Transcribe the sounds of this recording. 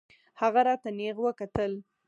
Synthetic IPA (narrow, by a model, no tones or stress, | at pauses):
haɣaɾɑt̪aneɣwəkat̪əl